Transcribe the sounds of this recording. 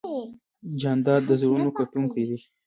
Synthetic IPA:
d͡ʒand̪ɑd̪̚d̪əzɾunokaʈuŋkajd̪i

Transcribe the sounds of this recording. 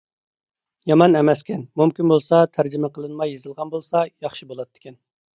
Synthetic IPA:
jɑmɑnɛmɛskʲʰɛnmumkʲinbolˠsɑt̪ʰæɾd͡ʒɪmɛqʰəlˠɨnmɑjːezɨlˠʁɑnbolˠsɑjɑχʃibolˠɑt̪ʰːɪ̥kʲɛn

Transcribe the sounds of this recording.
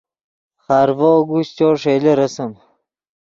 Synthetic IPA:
χaɾvoːɡuɕt͡ɕoʂeleɾɐsəm

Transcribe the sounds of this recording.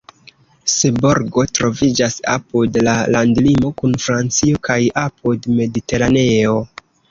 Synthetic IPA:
seboɾɡo̞tɾo̞vid͡ʒasa̰pudlalandlimo̞kunfɾant͡sio̞kajapudme̞dite̞ɾane̞o̞

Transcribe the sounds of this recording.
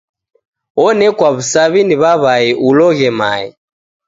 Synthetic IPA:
ɔnɛkwaβusaβiniβaβaɛʔulɔɣɛma̰ɛ̰

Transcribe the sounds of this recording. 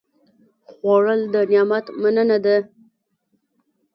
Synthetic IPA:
xwɑɻəld̪ənjɑmat̪manənad̪a

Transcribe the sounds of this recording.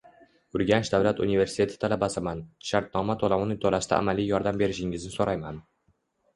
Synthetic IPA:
ʊɾɡʲant͡ʃd̪avlat̪unive̞ɾsɪ̥it̪ʰe̞t̪ʰɪ̥t̪ʰalabasɪmanʃaɾt̪̚nɒmat̪ʰolˠamnɪt̪ʰolast̪a̰ʔa̰malijɒɾd̪ambe̞ɾɪʃɪŋɪznɪsoɾajman

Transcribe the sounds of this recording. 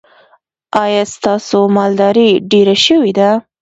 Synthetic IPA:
ɑjɑst̪ɑsomɑld̪ɑɾiɖeɾaʃəwid̪a

